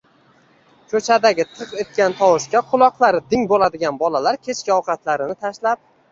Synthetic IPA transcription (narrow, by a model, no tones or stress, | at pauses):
kʰɵt͡ʃʰad̪aɡʲɪt̪ʰɨqe̞t̪̚kʲant̪ʰɒwʊʃkʲaqʰʊlˠɒqlˠaɾɪd̪ɪŋbolad̪ɪɡʲanbɒlalaɾkʲʰe̞t͡ʃkʲɪɒqʰɑt̪laɾɪnɪt̪ʰaʃlap̚